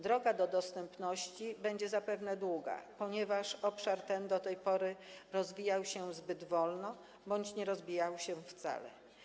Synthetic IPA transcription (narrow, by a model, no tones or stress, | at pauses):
d̪ɾɔɡad̪ɔd̪ɔst̪ɛmpnɔɕt͡ɕibɛɲd͡ʑɛzapɛvnɛd̪wuɡa̰pɔɲɛvaʂɔpʂaɾt̪ɛnd̪ɔt̪ɛjpɔɾɘɾɔzvʲijawɕɛzbɘd̪vɔlnɔ | bɔɲt͡ɕɲɛɾɔzbʲijawɕɛft̪sa̰lɛ̰